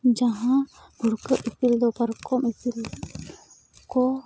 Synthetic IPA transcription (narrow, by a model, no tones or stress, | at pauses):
d͡ʒaɦã | ɡʱuɽkəʔipild̪ɔpəɾkɔmitil | kɔ